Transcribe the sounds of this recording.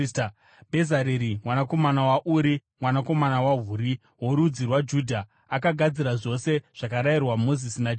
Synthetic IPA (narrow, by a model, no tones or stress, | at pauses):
bʱe̞zaɾeɾimwanako̞manawaʔuɾimwanako̞manawaɦuɾi | wo̞ɾud͡zirwad͡ʒudʱa | akaɡʱad͡ziɾaʐo̞se̞ʐ̥akaɾairwamo̞zisinad͡ʒ